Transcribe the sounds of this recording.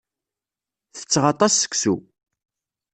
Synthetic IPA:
θə̥t͡sːʁɑt̪ˤɑsːə̥kʷsu

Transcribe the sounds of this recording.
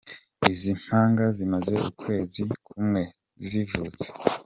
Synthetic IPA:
izin̥haːŋɡazimaze̞ṵkʰwe̞ːzikʰumŋe̞ | zzivuːt͡se̥

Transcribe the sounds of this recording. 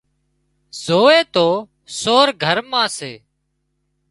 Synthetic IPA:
z̥oːeːt̪oː | soːɾɡʱəɾmãːseː

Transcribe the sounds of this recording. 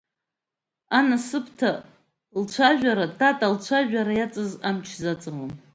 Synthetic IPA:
anasɨpʰtʰa | lt͡ʃʷʰaʒᶣaɾatʼatʼalt͡ɕʷʰaʒᶣʷaɾajat͡sʼɨzamt͡ʃʰzat͡sʼɨʁom

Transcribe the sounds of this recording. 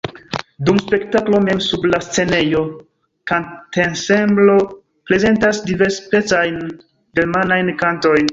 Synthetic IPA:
dumspe̞ktaklo̞me̞msublast͡se̞ne̞jo̞ | kantensemblo̞ | pɾe̞ze̞ntasdive̞ɾspe̞t͡sajn | ɡelmanajnkanto̞jn

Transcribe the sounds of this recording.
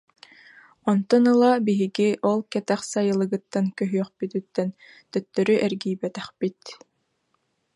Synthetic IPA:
ɔnt̪ɔnɯlˠabiɦiɡiʔɔlˠkɛt̪ɛχsajɯlˠɯɡɯt̪ːankœɦyœχpyt̪yt̪ːɛn | t̪œt̪ːœɾyʔɛɾɡiːbɛt̪ɛχpit̪

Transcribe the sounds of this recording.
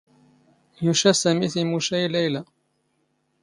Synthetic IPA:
jʊʃasamɪθlmʊʃajlajla

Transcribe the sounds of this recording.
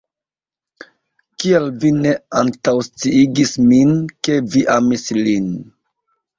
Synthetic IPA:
kialvine̞antawst͡siiɡisminke̞viʔamislin

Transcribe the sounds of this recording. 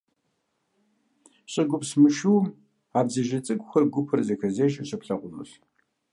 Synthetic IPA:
ɕʼɪɡʷʊpsmɨʃuː | aːbzɐʒɐt͡sʼɨɡʷʼxʷɐrɡʷʊpʰɨrzɐxɐzeːʃʼɐɕɪpɬɐqʷʊnṵɬ

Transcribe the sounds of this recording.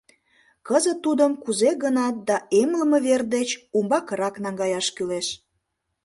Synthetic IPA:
kəzət̪ːud̪əmkuzeɣənɑt̪̚d̪ɑemləməβerd̪et͡ɕumbɑkəɾɑknɑŋɡɑjɑʃkyleʃ

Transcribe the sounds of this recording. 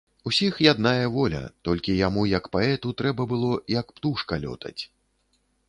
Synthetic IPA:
usʲixjad̪najɐvɔlʲɐ̰t̪ɔlʲkʲijamujɐkpaɛt̪ut̪ɾɛbɐbɨlˠɔjɐkpt̪uʂkɐlʲɔ̰t̪ʰɐ̰t͡sʲ

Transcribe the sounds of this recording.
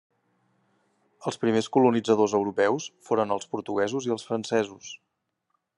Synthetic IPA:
əlˠspɾimeskulunid͡zəðozəwɾupɛwsfoɾənəlˠspuɾt̪uɣ̞ɛzuziəlˠsfɾənsɛzus

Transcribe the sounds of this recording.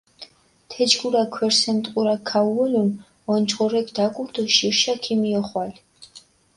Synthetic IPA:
t̪ʰɛd͡ʒɡuɾakʰwɛɾsɛnt̪ʼqʼuɾakʰauɔlun | ɔnt͡ʃʰʼχɔɾɛkd̪akʼuɾd̪ɔʃiɾʃakʰimiɔχwal

